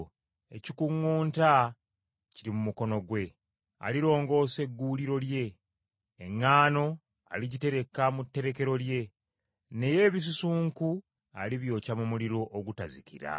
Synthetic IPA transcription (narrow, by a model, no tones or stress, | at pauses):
e̞̰cikuŋːuːnta | ciɾimumuko̞no̞ɡwe̞ | a̰liɾo̞ːŋɡo̞ːse̞ɡːuːliɾo̞lje̞ː | ŋːaːno̞ | a̰liɟite̞ɾe̞kamutːe̞ɾe̞ke̞ɾo̞lje̞ | ne̞je̞ːβis̬usuːŋku | aliβjo̞ːcamumuliɾo̞ʔoɡutazikiɾa̰